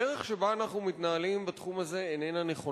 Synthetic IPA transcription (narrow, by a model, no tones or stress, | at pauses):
eʁeχʃe̞baanaχnumitnaalimbat̪χumaze̞enenaneχo̞